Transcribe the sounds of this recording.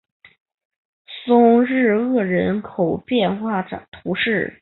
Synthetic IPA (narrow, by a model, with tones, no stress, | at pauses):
sʊ˥ŋɻɻ̩˥˧ɤ˥˩ɻə˧˥nkʰo˨˩ʊpjɛ˥˧nxwa˥˩t̪ʰu˧˥ʂɻ̩˥˩